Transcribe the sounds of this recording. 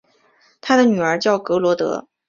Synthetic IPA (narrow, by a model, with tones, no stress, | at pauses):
t̪ʰa˥d̪ə˨ny˨˩ə˞˧˥t͡ɕjɑ˥˩ʊkɤ˧˥lwɔ˧˥t̪ɤ̰˧˥